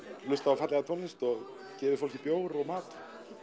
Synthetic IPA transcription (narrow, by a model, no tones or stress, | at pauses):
lʏst̪avafat̪lɛɣat̪ʰɔnɪst̪ɔɣ | cɛːvɪfowl̥cipjoːwɾɔɣmaːt̪